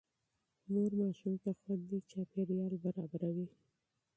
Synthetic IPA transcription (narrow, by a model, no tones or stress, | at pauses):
noɾmɑʃumt̪axwand̪it͡ʃɑpeɽjɑlbaɾɑbaɾawi